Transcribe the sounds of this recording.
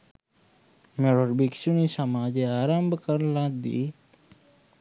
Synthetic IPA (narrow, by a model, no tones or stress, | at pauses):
meɽoɾbiksunisɐmaːd͡ʒeaːɾambʱkəɾlãːd̪ḭ